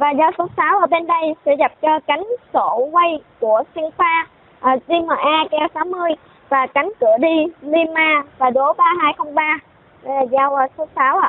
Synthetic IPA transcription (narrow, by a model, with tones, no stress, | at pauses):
vaː˨˩zaː˧wso˨˦saː˨˦wʔəː˧˩ɓe˧nɗə˧jsɛ̰˧˥ɣa˨˩p̚t͡ɕɔ˧ka˨˦jŋ̟so˧˩ŋə˧jku˧˩əsi˧ŋfaː˧ | ʔəː˨˩zi˧məː˨˩ʔaː˧kɛ˧wsaː˨˦wmɨ˧əj | vaː˨˩ka˨˦jŋ̟kɨ˧˩əɗi˧li˧maː˧vaː˨˩ɗo˨˦ɓaː˧ɦaː˧jxə˧wŋ͡mɓaː˧˨˩ | zaː˧wʔəː˧so˨˦saː˨˦wʔa̰ː˧˨